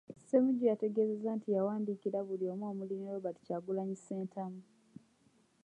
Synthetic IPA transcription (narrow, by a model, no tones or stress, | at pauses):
se̞muɟijate̞ɡe̞ːze̞zantijawaːndiːkiɾaβulio̞ːmwoːmuliniwoβati̥caːɡulaɲise̞ːntʰamu